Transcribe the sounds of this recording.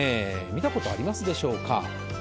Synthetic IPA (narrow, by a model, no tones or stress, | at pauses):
e | mʲit̪ako̞t̪o̞a̰ɾʲimasɨd̪e̞ɕo̞ːka̰